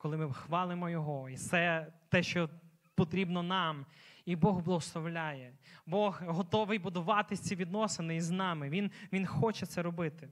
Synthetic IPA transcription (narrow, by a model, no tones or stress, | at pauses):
kɔlˠɪmɪxʋɑlˠɪmɔjɔɦɔisɛt̪ɛʃt͡ʃɔ | pɔt̪ɾʲibnɔnɑmibɔɣblˠɔɦɔslˠɔʋlʲajɛbɔɣɦɔt̪ɔʋɪjbʊd̪ʊʋɑt̪ɪsʲt͡sʲiʋʲid̪nɔsɪnɪiznɑmɪʋʲinʋʲinxɔt͡ʃɛt̪sɛɾɔbɪt̪ɪ